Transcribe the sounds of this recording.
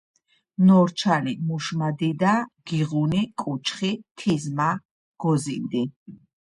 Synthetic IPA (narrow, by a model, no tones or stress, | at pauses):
nɔɾt͡ʃʰanimuʃmad̪id̪aɡ̥iʁunikʼut͡ʃʰχit̪ʰizma | ɡ̥ɔzind̪i